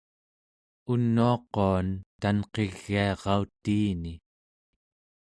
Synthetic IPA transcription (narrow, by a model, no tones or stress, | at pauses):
unːuɑqoant̪anqeɣːiɑʁɑut̪iːni